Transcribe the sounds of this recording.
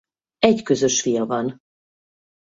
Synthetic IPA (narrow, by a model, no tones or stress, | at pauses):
ɛɟkø̞zø̞ʃfijɒvɒn